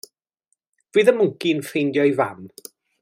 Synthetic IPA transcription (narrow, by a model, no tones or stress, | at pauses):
v̥wɨːðəmʊŋkinfejndjɔjvam